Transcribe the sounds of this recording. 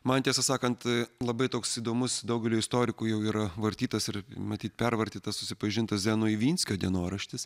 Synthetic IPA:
mɐnt̪ʲiɛsɐsɑːkɐnt̪lˠɐbɐɪt̪oːksid̪oːmʊsd̪ɐʊɡʲɛlʲuːɪst̪oːɾʲɪkujɛʊiːɾɐʋɐɾʲt̪ʲiːt̪ɐsɪrmɐt̪ʲiːt̪pʲɛrʋɐɾʲt̪ʲiːt̪ɐssʊsʲɪpɐʒʲɪnt̪ɐszʲæːnoːiːʋʲiːnʲsʲkʲoːd̪ʲiɛnoːɾɐʃʲt̪ʲɪs

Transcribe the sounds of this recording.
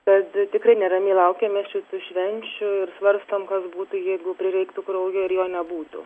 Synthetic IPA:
t̪ɐt̪t̪ʲɪkrɐɪnʲɛɾɐmʲeːlˠɐʊkʲɛːmʲɛsʃʲɪt̪uʃʲʋʲɛnʲt͡ʃʲʊɪɾsʋɐɾst̪oːmkɐsbuːt̪ʊjɛɪɡʊpʲɾʲɪɾʲɛɪkt̪ʊkɾoʊjoːɪɾjoːnʲɛbuːt̪ʊ̰

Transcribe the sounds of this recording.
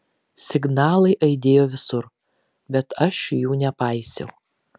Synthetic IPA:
sʲɪɡnɑːlˠɐɪʔɐɪd̪ʲeːjoːʋʲɪsʊɾ | bʲɛt̪ɐʃjuːnʲɛpɐɪsʲɛ̰ʊ

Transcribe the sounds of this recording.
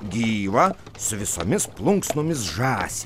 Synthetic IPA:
ɡʲiːʋɐ | sʊʋʲɪso̰ːmʲɪsplˠʊŋksnoːmʲɪsʒɑːsʲe

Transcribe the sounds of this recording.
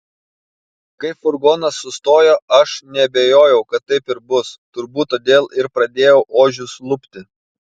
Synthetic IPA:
kɐɪpfʊɾɡoːnɐsːʊst̪oːjoɐʃnʲɛɐbʲeːjoːjɛʊkɐt̪ːɐɪpɪɾbʊst̪ʊɾbuːt̪t̪ːoːd̪ʲeːlˠɪɾpɾɐd̪ʲeːjɛʊʔoːʒʲʊslˠʊpʲt̪ʲɪ

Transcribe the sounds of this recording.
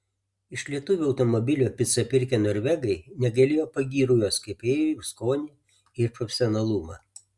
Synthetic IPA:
ɪʃlʲiɛt̪ʊʋʲuɐʊt̪ɔmɔbʲɪlʲuːpʲɪt̪sɐpʲɪɾʲkʲeːnoːɾʲʋʲɛɡɐɪnʲɛɡɐlʲeːjoːpɐɡʲiːɾʊjoːskɐɪpeːjskoːnʲi | ɪɾpɾɔfʲɛsʲɔnɐlˠʊmɑː

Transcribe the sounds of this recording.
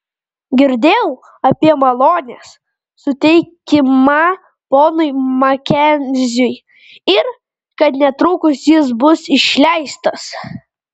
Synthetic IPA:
ɡʲɪɾʲd̪ʲeːjɛʊ | ɐpʲiɛmɐlˠoːnʲes | sʊt̪ʲɛɪkʲɪmɑ | poːnʊɪmɐkʲɛnʲzʲʊj | ɪɾ | kɐt̪nʲɛt̪ɾʊkʊsʲjɪs̬bʊsɪʃʲlʲæɪst̪ɐs

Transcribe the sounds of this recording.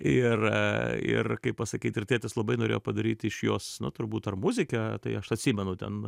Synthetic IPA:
ɪrɪ̰rkɐɪppɐsɐkʲiːt̪ɪrtʲæːt̪ʲɪslˠɐbɐɪnoːɾḛːjoːpɐd̪ɐɾʲiːt̪ʲɪʃjoːsnʊ̰t̪ʊɾbuːt̪ɐrmʊzʲɪkʲɛt̪ɐɪɐʃɐtʲsʲiːmʲɛnʊt̪ʲɛ̰n

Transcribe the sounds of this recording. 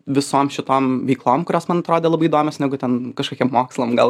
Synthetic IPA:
ʋʲɪsoːmʃʲɪt̪oːmʋʲɛɪklˠoːmkʊɾʲoːsmɐnɐt̪ɾoːd̪ʲeːlˠɐbɐɪiːd̪oːmʲoːsnʲæɡʊt̪ʲɛnkɐʃkoːkʲiɛmmoːkslˠɐmɡɐlˠ

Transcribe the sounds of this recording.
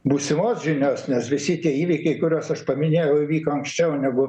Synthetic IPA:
buːsʲɪmoːsʒʲɪnʲoːsnʲɛsʋʲɪsʲɪt̪ʲiɛiːʋʲiɪkɐɪkʊɾʲoːsɐʃpɐmʲɪnʲeːjɛʊʋʲiːkoːɐŋksʲt͡ʃʲɛʊnʲɛɡʊ

